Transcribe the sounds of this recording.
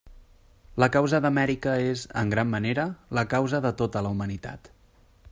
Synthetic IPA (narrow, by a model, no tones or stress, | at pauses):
ləkawzəðəmɛɾikəezə̰ŋɡɾamːəneɾələkawzəðət̪ot̪ələumənit̪a̰t̪